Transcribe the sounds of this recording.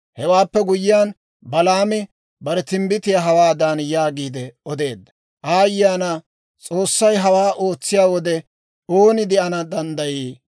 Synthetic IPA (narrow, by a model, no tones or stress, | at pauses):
hɛwaːpːɛɡʊjɪjaːn | bɐlaːmɪ | bɐɾɛt̪ɪmbɪt̪ɪjaɦɐwaːd̪anjaːɡiːd̪ɛɔd̪e̞ːd̪ːɐ̥ | ʔaːjːaːnɐ | t͡sʼo̞ːsːɐjɦɐwaːʔo̞ːt͡sːɪjaːwɔd̪ɛ | o̞ːnɪd̪ɪɐnɐd̪ɐnd̪ɐjiː